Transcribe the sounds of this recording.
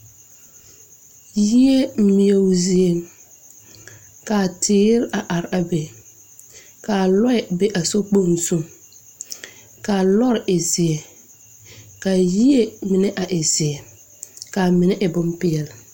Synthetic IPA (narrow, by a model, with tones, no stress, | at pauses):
ji˦e˦m̩˦mi˨e˨˦zi˨e˨ŋ | ka˨tʰɪː˦ɾɪ˦ʔa˨ʔa˨ɾɪ˨a˨be˨ | ka˨lɔ˦ɛ˨be˦ʔa˨so˦k͡po˦˨n˨su˦˨ŋ | ka˨lɔ˦ɾɪ˨ʔɪ˨sɪ˨ɛ˨ | ka˨ji˦e˦mɪ˨nɛ˦ʔa˨ʔɪ˨sɪ˨ɛ˨ | ka˨mɪ˨nɛ˦ʔɪ˨bʊ˦mpɪ˦ɛ˨lɪ˨